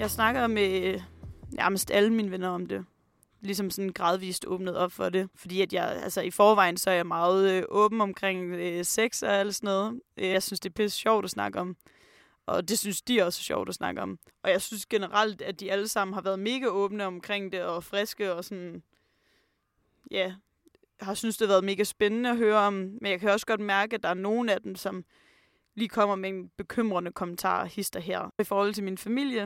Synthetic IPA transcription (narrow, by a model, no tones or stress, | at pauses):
jɑ̈ɪsnɑ̈ɡ̥ɐme | jæɐməsd̥æləminʋenɐɒ̽md̥e̝ | lisɒ̽msɒ̽nɡ̥ʁɑ̈ð̞ˠʋḭːsd̥ɔ̰̽ːb̥nəð̞̩ˠɒ̽b̥fɒ̽de̝fɒ̽d̥ḭːæd̥jɑɪælsəifɒːʋɑ̈ɪ̰n̩sɒ̽æɐjɑ̈ɪmɑ̈ːð̞̩ˠʔɔ̽ːb̥n̩ɒ̽mkʰʁeŋ̰øseɡ̥sɒæl̰d̥sɒnɔːðˠʔø̈ɪsynsd̥e̝b̥ʰæsɕɒʊ̰d̥ɒsnɑ̈ɡ̥əɒ̽m | ʔɒ̽d̥e̝synsd̥iæɐɒ̽sə̥ɕɒ̰ʊ̰d̥ɒsnɑ̈ɡ̥əɒ̽m | ɒ̽jɑ̈ɪsynsɡ̥e̝nəʁɑl̰d̥æd̥iæləsɑ̈m̰n̩ɦɑ̈ʋæːɐð̞ˠme̝ːɡ̥æɔ̽ːb̥nəɒ̽mkʰʁeŋ̰d̥e̝ɒ̽fʁɛsɡ̥əɒ̽sɒ̽n | jæ | hɑ̈synsd̥eʋæːɐð̞̩ˠme̝ːɡ̥æsb̥enənəɒ̽ɦøːɐɒ̽mmenjɑkʰæɒ̽sə̥ɡ̥ɒ̽d̥mæɐɡ̥əæd̥ɑ̈æɐno̝ːn̩æd̥emsɒ̽m | liːkʰɒ̽m̰ɐmee̝nb̥e̝kʰøm̰ʁɐnəkʰɒ̽mən̩t͡sʰɑ̰̈ːhisd̥ɐɦæɐ̰ifɒːhɒ̽l̰t͡sʰelminfæmil̰jə